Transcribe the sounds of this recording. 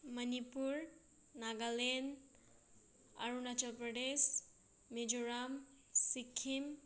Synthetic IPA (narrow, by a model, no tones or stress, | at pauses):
mənipuɾ | naɡalen | ə̰ɾunat͡ʃəlpɾəɖesː | ed͡ʒuɾam | sikʰːim